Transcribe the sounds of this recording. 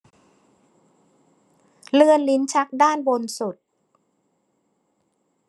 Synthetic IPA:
lɯ˧ənli˦˥nt͡ɕʰa˦˥k̚daː˥˩nbo˧nsu˨˩t̪̚

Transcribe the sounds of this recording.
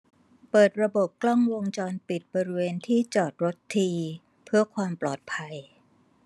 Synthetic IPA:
pɤː˨˩t̪̚ɾa˧bo˨˩p̚klɔ˥˩ŋwo˧ŋt͡ɕɔː˧npi˨˩t̪̚bɔː˧ɾi˦˥weː˧nt̪ʰiː˥˩t͡ɕɔː˨˩t̪̚ɾo˦˥t̪ʰːiː˧ | pʰɯ˥˩ɐəkʰwaː˧mplɔː˨˩t̪̚pʰa˧j

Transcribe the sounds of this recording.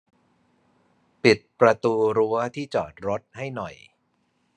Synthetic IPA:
pi˨˩t̪̚pɾa˧t̪uː˧ɾu˦˥ɐt̪ʰiː˥˩t͡ɕɔː˨˩t̪̚ɾo˦˥t̪̚ha˥˩jnɔ˨˩j

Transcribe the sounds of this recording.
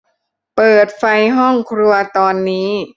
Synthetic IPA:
pɤː˨˩t̪̚fa˧jɦɔ˥˩ŋkʰɾu˧ɐt̪ɔː˧nːiː˦˥

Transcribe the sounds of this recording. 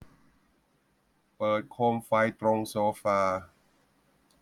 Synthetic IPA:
pɤː˨˩t̪̚kʰoː˧mfa˧jt̪ɾo˧ŋsoː˧faː˧

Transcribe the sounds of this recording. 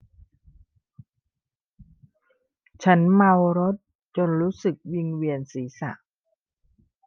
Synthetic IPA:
t͡ɕʰa˦˥nma˧wɾo˦˥t̪̚ | t͡ɕo˧nɾuː˦˥sɯ˨˩k̚wi˧ŋwi˧ənsiː˩˦sa̰˨˩ʔ

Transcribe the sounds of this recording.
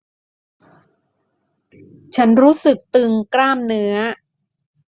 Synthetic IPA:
t͡ɕʰa˦˥nɾuː˦˥sɯ˨˩k̚t̪ɯ˧ŋkɾaː˥˩mnɯ˦˥ɐ

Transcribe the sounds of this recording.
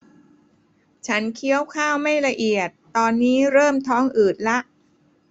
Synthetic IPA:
t͡ɕʰa˦˥nkʰi˦˥əwkʰaː˥˩wma˥˩jla˧ʔi˨˩ət̪ːɔː˧nːiː˦˥ɾɤː˥˩mt̪ʰɔː˦˥ŋʔɯː˨˩t̪̚la˦˥ʔ

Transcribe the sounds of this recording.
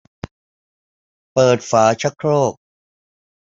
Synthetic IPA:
pɤː˨˩t̪̚faː˩˦t͡ɕʰa˦˥kʰɾoː˥˩k̚

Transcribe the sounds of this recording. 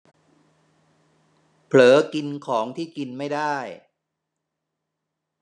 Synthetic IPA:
pʰlɤː˩˦ki˧nkʰɔː˩˦ŋt̪ʰiː˥˩ki˧nma˥˩jdaː˥˩j

